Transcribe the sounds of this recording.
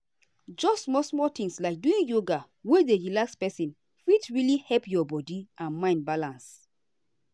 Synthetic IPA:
d͡ʒɔsmɔsmɔtĩŋslaɪk̚duĩnjoɡa | wedeɹilakspɛsĩn | fitɹilihɛlpjɔbɔdiʔãnmãɪ̃nbalãns

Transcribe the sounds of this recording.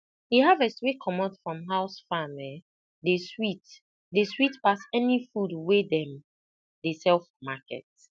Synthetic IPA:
jeɦavɛswekʰɔmɔtfɹɔ̃mɦaʊsfamɛ | deswit | deswitpasɛnifudwedɛ̃m | desɛlfmakʰɛ̰t

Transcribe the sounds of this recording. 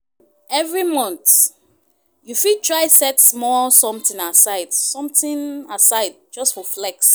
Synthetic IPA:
ɛvɹimɔ̃nt | jufitʰɹaɪsɛtsmɔsɔ̃mtĩnasaɪd̥sɔ̃mtĩnasaɪd̚d͡ʒʌstfɔflɛks

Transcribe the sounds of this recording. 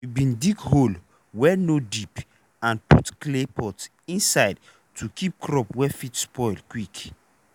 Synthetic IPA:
ibĩndikhol | wɛnodip | ãnpṵtklepʰɔts | ĩnsaɪd | tʰukʰip̚kʰɹɔpwɛfitspɔɪlkwik

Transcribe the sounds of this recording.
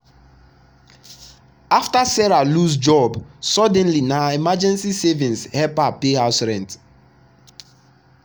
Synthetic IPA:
aftasɛɹalusd͡ʒɔbsɔdɛ̃nlinaimad͡ʒɛ̃nsisevĩnshɛpapeɦaʊsɹɛ̃nt

